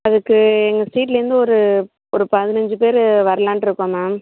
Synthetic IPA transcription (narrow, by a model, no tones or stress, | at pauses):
ɐðɯkːɯɛŋɡɐsiːʈ̬lɐɾɯnd̪ɯɔɾɯ | ɔɾɯpɐðɪnɛɲd͡ʒɯp̬eːɾʋɐɾɐlãːnʈɪɾɯkːõːmaːm